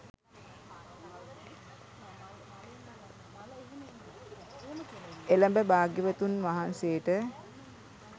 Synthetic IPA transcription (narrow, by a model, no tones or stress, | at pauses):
eləmbəbaːɡjəʋət̪unʋaɦanseːʈə